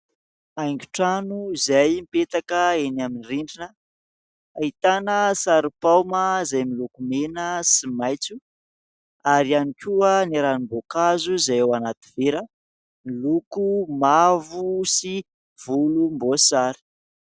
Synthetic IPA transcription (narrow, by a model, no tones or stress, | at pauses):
ajŋɡu̥ʈ͡ʂanuzajmipet̪akəenaminiriɳɖ͡ʐinə | ait̪anəsaɾipawməzajmilukumenəsimajt͡su | aɾianikʲuəniɾanimbokazuzajewanat̪i̥veɾə | milukumavusi | v̥ulumbosaɾi̥